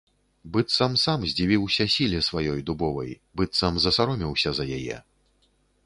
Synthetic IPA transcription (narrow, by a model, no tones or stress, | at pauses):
bɨt̪sɐmsamzʲd͡zʲivʲiwsʲɐsʲilʲɛsvajɔjd̪ubɔvɐ̰j | bɨt̪sɐmzɐsaɾɔmʲiwsʲɐzɐjajɛ̰